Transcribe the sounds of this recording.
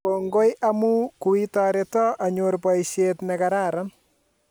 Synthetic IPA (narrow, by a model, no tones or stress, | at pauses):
koŋɡojʔamukuitɔɾetɔʔaɲorpɔjʃetnɛkaɾaɾan